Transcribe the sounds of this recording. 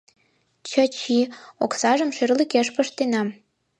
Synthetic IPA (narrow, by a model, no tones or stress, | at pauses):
t͡ɕət͡ɕioksɑʒə̆mʃerlikeʃpəʃt̪enɑm